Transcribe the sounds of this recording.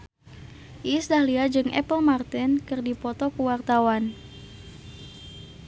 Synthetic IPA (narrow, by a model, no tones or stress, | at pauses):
ʔisdahliad͡ʒɨŋʔɛ̰pəlmart̪ənkɨrdipɔt̪ɔkuwart̪awan